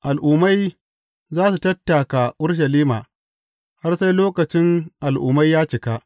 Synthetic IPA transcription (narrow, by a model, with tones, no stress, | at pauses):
ʔa˨lʔʊː˨ma˦j | zaː˦su˨tɐ˦tːa˨ka˨ʔʊ˦ɽʃ̬ɐ˨liː˦maː˨ | ha˦rsa˦jloː˦kɐ˨t͡ʃɪ˦ŋʔa˨lʔṵː˨ma˦jːaː˦t͡ʃɪ˨ka˦